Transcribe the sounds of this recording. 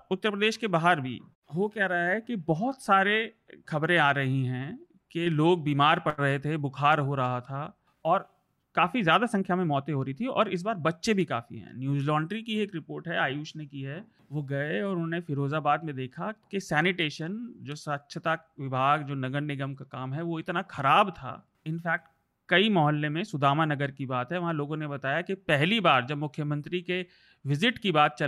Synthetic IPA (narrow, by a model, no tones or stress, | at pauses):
ʊt̪ːəɾpɾəd̪eːʃkebaːɦəɾbʱḭ | ʋokɛɦɾɐɦaɦɛkibɔɦʊt̪saːɾe | xɐbɾẽaːɾɐɦĩɦɛ̃ː | keloːɡ̚biːmaːɾpɐɾɐɦet̪ʰebʊkʰaːɾɦoɾɐɦat̪ʰa | ɔːɾ | kaːfizjaːd̪asɐ̃ŋkʰjamẽmɔːt̪ẽɦoːɾəit̪ʰiɔ̰ːɾɪs̬baːɾbɐtːʃebʱika̰ːfḭɦɛ̰̃ːnjuːzlɔːɳɖɾikieːkɾɪpoːɾʈɦɛaːjuːʃnekiɦɛ | ʋoɡɐeɔːɾʊnõːnefɪɾoːzabaːd̪mẽd̪eːkʰakesɛːnɪʈeːʃənd͡ʒoːsətːʃʰət̪aʋɪbʱaːɡd͡ʒoːnɐɡəɾnɪɡəmkakaːmɦɛʋoɪt̪naxɐɾaːbt̪ʰa̰ː | ɪnfɛːk̚ʈ | kɐimɔːɦəlːemẽsʊd̪ʱaːmanɐɡəɾkibaːt̪ɦɛʋɐɦãloːɡõnebɐt̪aːjakipɛɦlibaːɾd͡ʒɐbmʊkʰːjəmə̃nt̪ɾike | ʋɪzɪʈkibaːt̪̚t͡ʃɐ